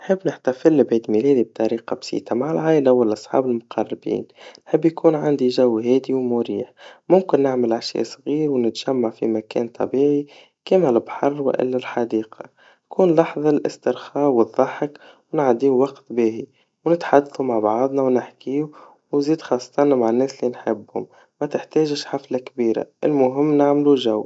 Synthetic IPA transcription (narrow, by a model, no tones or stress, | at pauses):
nħɪbːnɪħt̪afɪlːɪbʕiːt̪milɛːd̪ib̚t̪ˤɑɾiːqɑbsḭːt̪amaʕalʕaːʔlawɪlʔɑsˤħɑ̰ːbɪlmʊqʰɑrˤːɪbḭːnnħɪbːjkuːnʕand̪iʒawːɦɛːd̪iwmʊɾiːħmʊmkɪnːɪʕmɪlʕaʃjɛ̰ʔsˤɣiːɾwnɪt̪ʒ̥amːaʕfḭmækɛ̰ːnt̪ˤɑ̰biːʕi | kɪmælɪbħɑrˤːwɪ̰ʔɪ̰lːalħɑd̪iːqʰɑ | nkuːnlɑħðˤɑlʔɪ̰st̪ɪɾxɑːwəðˤːɑħək | wnʕad̪iːwwɑqt̪biːhi | wnɪt̪ħad̪ːθumaʕbɑʕðˤnɑwnɪħkiːu | wnziːd̪xɑsˤːɑ̥t̪ɑnmaʕanːɛːslinħɪbːhʊ̰m | mæt̪ɪħt̪ɛːʒʃħaflakbiːɾa̰ʔɪlmʊɦɪmːnaʕmluʒaw